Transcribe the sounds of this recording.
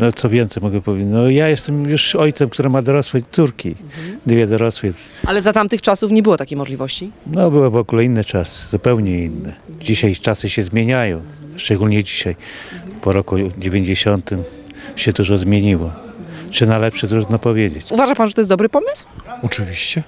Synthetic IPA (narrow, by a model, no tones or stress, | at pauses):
nɔt̪sɔvʲjɛnt̪sɛjmɔɡɛpɔvʲed͡ʑnɔjajɛst̪ɛmjuʂɔjt̪sɛmkt̪uɾɛmad̪ɔɾɔswɛt̪suɾkʲid̪vʲjɛd̪ɔɾɔswɛsalɛzat̪amt̪ɘxt͡ʂasufɲɛbɘwɔt̪akʲejmɔʐlʲivɔɕt͡ɕinɔbɘwɛvɔɡulɛinːɛt͡ʂasɨ̥zupɛwɲɛinːɛd͡ʑiɕajt͡ʂasɘɕɛzmʲjeɲajɔ̃w̃ | ʂt͡ʂɛɡulɲɛd͡ʑiɕajpɔɾɔkud͡ʑevʲeɲd͡ʑeɕɔnt̪ɘm | ɕɛd̪uʐɔzmʲjeɲiwɔ | t͡ʂɘnalɛpʂɛd̪ɾuɾnɔpɔvʲjed͡ʑet͡ɕuvaʐapanʐɛt̪ɔjs̬d̪ɔbɾɘpɔmɘswɔt͡ʂɘvʲiɕt͡ɕɛ